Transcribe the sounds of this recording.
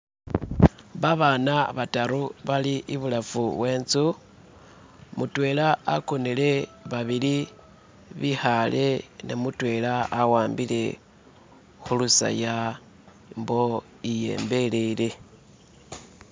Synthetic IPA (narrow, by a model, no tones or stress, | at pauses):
βaβanaβataɾuβaliʔiβulafuwe̞ːnt͡su | mutwe̞laːkonele̞βaβili | βixale̞nemutwe̞laːwaːmbile̞ | xulusa̰ja | mbo̞ | ije̞̰ːmbe̞lele̞